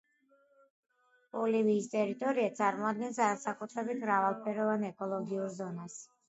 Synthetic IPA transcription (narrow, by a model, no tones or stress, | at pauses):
bɔliviːst̪ʼɛɾit̪ʼɔɾiat̪sʼaɾmɔad̪̚ɡɛnsaɾasakʼut̪ʰɾɛbit̪ʰmɾavalˠpʰɛɾɔvanɛkʼɔlˠɔɡiuɾzɔnas